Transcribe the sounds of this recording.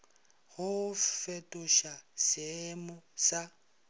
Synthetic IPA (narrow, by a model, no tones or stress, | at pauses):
hʊfetʼʊʃasemʊsa